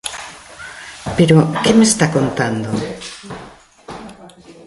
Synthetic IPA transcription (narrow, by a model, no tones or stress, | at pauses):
peɾokemest̪akont̪and̪o